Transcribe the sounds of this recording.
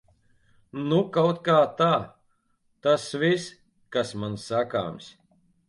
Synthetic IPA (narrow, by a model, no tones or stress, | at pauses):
nukawt̪kaːt̪aː | t̪asvis | kasmansaka̰ːms